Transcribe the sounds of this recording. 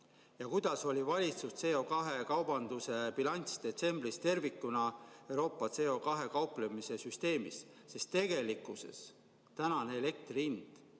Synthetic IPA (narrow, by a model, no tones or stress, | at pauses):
jɑkujd̪̥ɑso̞lʲivɑlʲit̪sust̪se̞ːo̞kɑɦe̞kɑwbɑnd̪̥use̞pilɑnʲt̪sd̪̥e̞t̪se̞mb̥rist̪e̞rvikːˑunɑewɾo̞ːpːˑɑt̪se̞o̞kɑɦe̞kɑuplemise̞syst̪e̞ːmḭsː | e̞st̪ːe̞ɡe̞likːˑuse̞̰s | t̪ænɑneele̞k̚t̪rind̪̥